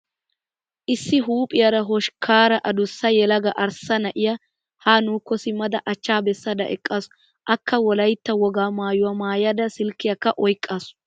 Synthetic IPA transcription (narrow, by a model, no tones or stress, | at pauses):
ʔɪsːɪɦuːpʼɪjɐɾɐɦɔʃkʰaːɾɐʔɐd̪ʊsːɐjɛlɐɡɐʔɐɾsːɐnɐʔɪjɐ | haːnuːkːɔsɪmːɐd̪ɐʔɐt͡ʃːaːbɛsːɐd̪ɐ̰ʔɛ̰kʼːasɔ̥ | ʔɐkːɐwɔlɐjt̪ːɐwɔɡaːmaːjʊwɐmaːjɐd̪ɐsɪlkːɪjɐkːɐʔɔjkʼːaːsʊ̥